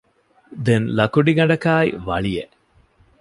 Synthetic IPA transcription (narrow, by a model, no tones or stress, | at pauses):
d̪enlɐkuɖiɡɐɖɐkaːj̰ʋɐ̰ɭije